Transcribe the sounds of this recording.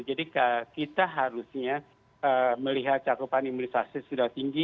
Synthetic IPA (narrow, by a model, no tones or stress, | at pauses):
d͡ʒadikakit̪aɦaɾusɲa | əməliɦat̪̚t͡ʃakupanimunisasisudaht̪iŋɡi